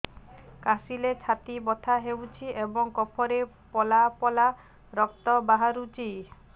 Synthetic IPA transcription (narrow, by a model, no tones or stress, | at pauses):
kasilet͡ʃʰat̪ibɔt̪ʰaɦewt͡ʃʰiebɔŋkɔpʰɔɾe | pɔlapɔla | ɾɔk̚t̪ɔbaɦaɾut͡ʃʰi